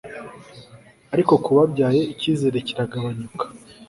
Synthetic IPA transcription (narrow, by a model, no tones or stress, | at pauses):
aɾiko̞kuβabɟaːje̞iciːze̞ɾe̞ciɾaɡaβaɲukḁ